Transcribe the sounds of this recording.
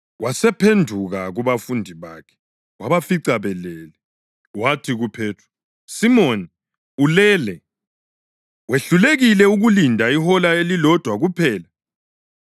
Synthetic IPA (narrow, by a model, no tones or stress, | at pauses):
wʔasɛpʰendʱuɣaɣuβafundʱiβa̰ːkʰɛ̥ | waβafiǀaβɛlɛːlɛ | watʰiɣupʰɛːtʰḁ | simoni | ulɛːlɛ | weɬuleɣilɛuɣulindʱaihɔlaelilɔd̥ʱwaɣupʰɛːla